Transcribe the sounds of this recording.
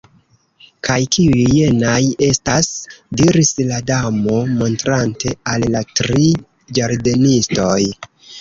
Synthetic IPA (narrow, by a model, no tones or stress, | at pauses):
kʰajkiujje̞naje̞stasdiɾisladamo̞mo̞ntɾante̞alːatɾi | d͡ʒaɾde̞nisto̞j